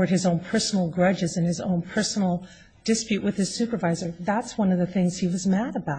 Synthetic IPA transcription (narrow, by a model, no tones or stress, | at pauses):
ə˞d̚ɨzõʊ̃npʰɜ˞sn̩l̩ˠɡɹʌd͡ʒɨzɨ̃nɨzõ̰ʊ̃npʰɜ˞sn̩l̩ˠ | d̥ɨspjʉʔwɨð̥ɨz̥sʉpə˞vaɪzə˞ðætswʌ̃nʌvðɨθɪ̃ŋz̥hiwʌzmæɾəbaʊ